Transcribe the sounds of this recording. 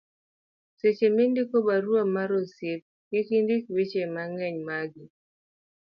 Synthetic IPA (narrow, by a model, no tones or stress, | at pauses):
set͡ʃemindikobaɾwamaɾosjep̚ | ɡɪkindikwet͡ʃemaŋɛɲmaɡi